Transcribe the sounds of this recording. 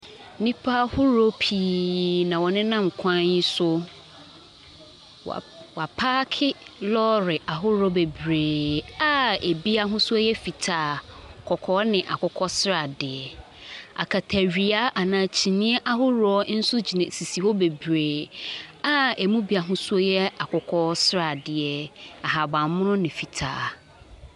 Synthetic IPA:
nĩ˦pʰa˦hʊ˦ɾɔ˦pʰi˨nã˨wɔ˨nɪ̃˦nã˦m̩˨kʷʰã˦i˦sʊ˦˨ | wa˨pʰaː˦kʰɪ˦lɔ˦ɾɪ˨ʔa˨ɦʊ˦ɾɔ˦be˨bɾeː˨a˦e˨bi˦a˦ɦʊ̃˦sʊ˦a˦jɛ˦fi˨tʰaː˨kʰɔ˨kʰɔː˦nɪ̃˨ʔa̰˨kʊ˨kʰɔ˦sɾa˨dɪ˨ɛ˨ | a̰˨kʰa˨tʰa˨ɥi˨a˦ʔa˨nãː˨t͡ɕʰi˨nĩ˦ɛ˦ʔa˦ɦʊ˦ɾɔ˦n̩˦sʊ˦d͡ʑi˨nã˨si˨si˨hɔ˦be˨bɾeː˨ | a˦e˨mũ˦bi˨˦a˨ɦʊ̃˦su˦ɔ˦jɛ˦a˨kʰʊ˨kʰɔ˦sɾa˨dɪ˨ɛ˨a˨ɦa˨bã˨mmʊ̃˦nʊ̃˦nɪ̃˨fi˨tʰa̰ː˨

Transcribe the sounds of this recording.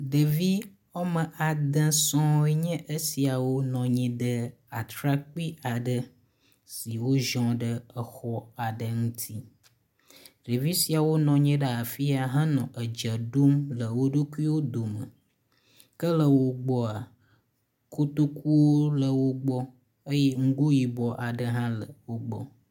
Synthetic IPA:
ɖə˨vi˦ | wɔ˦mə̃˨ʔa˨d̪ə̃˦sɔ̃˦e˦ɲɛ̃˦ʔə˦si˨a˨wo˦nɔ̃˨ɲɛ̃˨ɖə˦ | a˨t̪ɾa˦k͡pi˦ʔa˨ɖə˦ | si˨wo˦ʒɔ̃˨ɖə˦ə˨xɔ˦a˨ɖə˨ŋũ˦t̪ʰi˦ | ɖi˨vi˦si˨a˨wo˦nɔ̃˨ɲɛ̃˦ɖə˦a˨fi˦a˨ɦã˦nɔ̃˨ʔə˨d͡ʒə˨ɖo˦mlə˨wo˦ɖu˦ku˦i˦wo˦d̪o˨mə̰˨ | kə˦lə˨wo˦ɡ͡bɔ˦a˨ | kʰo˦t̪o˦ku˦wo˦lə˨wo˦ɡ͡bɔ˦ | ə˦jɛ˦ŋ̩˦ɡu˦ji˨bɔ˦ʔa˨ɖə˦ɦã˦lə̰˨wo˦ɡ͡bɔ̰˦

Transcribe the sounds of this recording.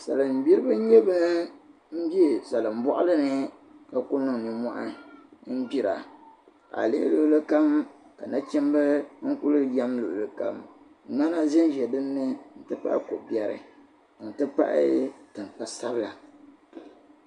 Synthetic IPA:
sa̰˨lɨ˨m̩˨bi˦ɾɨ˦bɨ˦ɲɛ˦ba˦ | m̩˦bi˦˨sa˨lɨ˨m̩˨bɔ˦ʔʊ˦lɨ˦nɨ˦ka˨ku˦nɨ˨ŋ˨nɨ˨mɔ˦ʔa˦n̩˦bi˦ɾa̰˨ | a̰˨lḛ˦lo˦ʔlɨ˦ka˦m | ka˨na˦t͡ʃɛ˦m˦bɨ˦ŋ̩˦ku˦lɨ˦ja˦mlo˨ʔlɨ˦ka̰˦m | ŋ͡ma˦na˦zɛ˦n˦ʒɛ˨dɨ˦nːɨ˦n̩˦tɨ˦pa̰˦ʔko˨bjɛ˨ɾɨ̰˨ | n̩˨tɨ˦pa̰˦ʔɪ̰˦tɨ˨ŋ˨pa˨sa˦bɨ˦la˨

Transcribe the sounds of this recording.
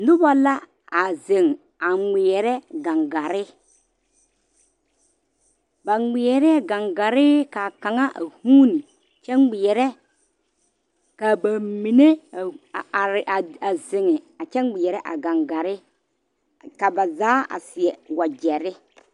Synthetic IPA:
nʊ˦ba˨la˦ | a˨ze˨ŋ | a˨ŋ͡mɪ˨ɛ˨ɾɛ˦ɡa˨ŋɡa˨ɾɪ˦ | ba˨ŋ͡mɪ˨ɛ˨ɾɛ˦ɡa˨ŋɡa˨ɾɪ˦ka˨ka˨ŋa˦ʔa̰˨huː˦ni˨ | t͡ʃɛ˦ŋɡ͡bɪ˨ɛ˨ɾɛ˦ | ka˨ba˨mi˨ne˦˨ | ɾa˨a˨zɪ˨ŋɪ˨a˨t͡ʃɛ˦ŋɡ͡bɪ˨jɛ˨ɾɛ˦ʔa̰˨ɡa˨ŋɡa˨ɾɪ˦ | ka˨ba˨zaː˨˦a̰˨sɪ˨ɛ˨wa˨d͡ʒɛ˨ɾɪ˦

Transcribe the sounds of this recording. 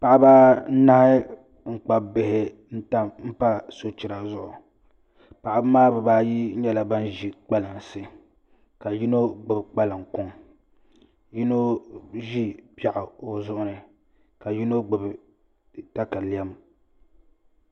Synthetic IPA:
pa˨ʔɪ˦ba˦n̩˦na˦hɪ˦ | ŋ̩˦˨k͡pa˨bɪ˨hɪ˨ | n̩˦ta˦m̩˦pa˦so˦t͡ʃi˨ɾa˨zʊ˦˨ʔʊ˨ | pa˨ʔɪ˦˨bɨ˦maː˦bɛ˨baː˦ji˦ɲɛ˦la˨ba˦n˦ʒi˦k͡pa˦la˨ŋ˨sɨ˦ | ka˨ji˦no˦ɡ͡bɨ˨bk͡pa˦la˨ŋkʊ˦ŋ | ji˦no˦ʒi˦pja˨ʔɪ˨o˨zʊ˦ʔʊ˦nɨ˨ | ka˨ji˦no˦ɡ͡bɨ˨b | ta˦ka˨li˨ɛ˦m

